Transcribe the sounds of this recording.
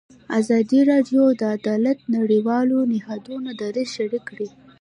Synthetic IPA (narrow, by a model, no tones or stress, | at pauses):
azɑd̪iɾɑɖjod̪əad̪ɑlat̪naɽiwɑlonɪhɑd̪unod̪aɾeʃaɾikːɽi